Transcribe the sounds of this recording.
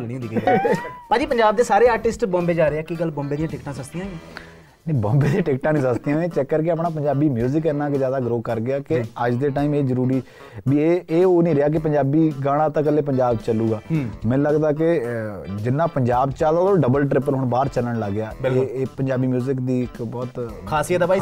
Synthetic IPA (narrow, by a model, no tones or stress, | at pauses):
lɽĩːɦõːd̪iːkəipãːd͡ʒiːpəɲd͡ʒaːb̚d̪eːsaːɾeːaːɾʈɪsʈbɔ̃ːmbeːd͡ʒaːɾeːaːkiɡəlbɔ̃ːmbeːd̪ɪjãːʈɪkʈãːsəsd̪ɪjãː | nẽːbɔːmbeːd̪ĩːʈɪkʈãːnĩːsəsd̪ijãːẽːt͡ʃɛkːəɾkeap̬ɳaːp̬əɲd͡ʒaːbiːmjuːzɪkɛːnãːkezjaːd̪aːɡɾoːkəɾɡɪaːkɪəd͡ʒd̪eːʈaːiːmeːzəɾuːɾiː | bieːoːnĩːɾeaːk̬ɪpəɲd͡ʒaːbiːɡaːɽ̃ãːt̪ãːkəleːp̬əɲd͡ʒaːbt͡ʃəlːuːɡaːmɛ̃ːləɡd̪aːke | d͡ʒɪnːãːpəɲd͡ʒaːbt͡ʃaːld̪aːd̪oɖəbəlʈɾɪp̬əɾɦʊɳbaːɾt͡ʃələɳləɡːɪaːbɪleːpəɲd͡ʒaːbiːmjuːzɪkd̪iːɪkbɔːt̪kʰaːsiːət̪aːpaːi